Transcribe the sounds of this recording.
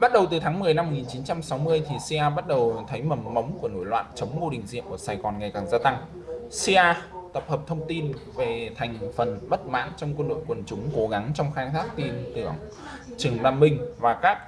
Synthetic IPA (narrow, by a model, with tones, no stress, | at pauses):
ɓa˦˥t̚ɗə˨˩wt̪ɨ˨˩t̪ʰaː˨˦ŋmɨ˨˩əjna˧mo˨˩ŋi˨˩nt͡ɕi˨˦nt͡ɕa˧msa˨˦wmɨ˧əjt̪ʰi˨˩si˧ʔaː˧ɓa˦˥t̚ɗə˨˩wt̪ʰə˨˦jmə˨˩mːə˨˦wŋ͡mku˧˩əno̰˧˥jlwa̰ː˧˨nt͡ɕə˨˦wŋ͡mmo˧ɗï˨˩ŋ̟zḭ˧˨əʔə˧˩saː˨˩jɣɔ˨˩nŋa˨˩jkaː˨˩ŋzaː˧t̪a˧ŋ | si˧ʔaː˧t̪ə˨˩p̚həː˨˩p̚t̪ʰə˧wŋ͡mt̪i˧nve˨˩t̪ʰjŋ̟fə˨˩nɓə˦˥t̚ma̰ː˧˥nt͡ɕɔ˧wŋ͡mkwə˧nɗo̰˧˨jkwə˨˩nt͡ɕʊ˨˦ŋ͡mko˨˦ɣa˨˦ŋt͡ɕɔ˧wŋ͡mxaː˧jt̪ʰaː˦˥k̚t̪i˧nt̪ɨ̰˧˩əŋ | t͡ɕɨ˨˩əŋɗaː˧mːï˧ŋ̟vaː˨˩kaː˦˥k̚